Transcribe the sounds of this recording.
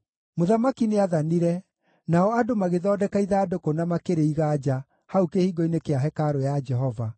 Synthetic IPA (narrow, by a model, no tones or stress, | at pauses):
moðamakineaðaniɾɛ | naɔadomaɣeðɔːdɛkaiðaːdokonamakeɾeiɣaːd͡ʒa | haukehiːɡɔinekeaɦɛkaɾojad͡ʒɛɦɔva